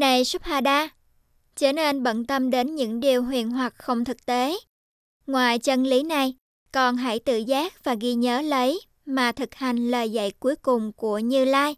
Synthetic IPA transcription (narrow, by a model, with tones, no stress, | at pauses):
na˨˩jsə˦˥p̚haː˧˩ɗaː˧ | t͡ɕə˧˩ne˧nɓə̰˧˨nt̪ə˧mɗe˨˦nɲɨ̰˧˥ŋɗi˨˩əwɦwḭ˨ənɦwa˨˩t̚xə˧wŋ͡mt̪ʰɨ˨˩k̚t̪e˨˦ | ŋwaː˨˩jt͡ɕə˧nli˨˦na˨˩j | kɔ˨˩nɦa̰˧˥˩jt̪ɨ̰˧˨zaː˦˥k̚vaː˨˩ɣi˧ɲəː˨˦lə˨˦j | maː˨˩t̪ʰɨ˨˩k̚ha˨˩jŋ̟ləː˨˩jzə̰˧˨jku˨˦əjkʊ˨˩ŋ͡mku˧˩əɲɨ˧laː˧j